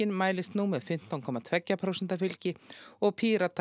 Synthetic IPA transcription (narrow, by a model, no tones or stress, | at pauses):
ɪnmaːjlɪst̪numɛðfɪm̥t̪awnkʰɔːmat̪ʰv̥ɛcːapʰɾowsɛnt̪aɾfɪlcɪɔɣpʰiːɾat̪ʰ